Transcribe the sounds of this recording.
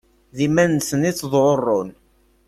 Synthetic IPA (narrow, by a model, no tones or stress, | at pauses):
ðimænsəniθðˤʕorˤːon